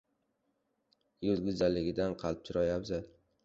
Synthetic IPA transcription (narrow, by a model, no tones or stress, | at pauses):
jʊzɡʲʊzalːɪɡʲɪd̪anqʰɑlˠɪp̚t̪ʰʊɾajabd̪ɪ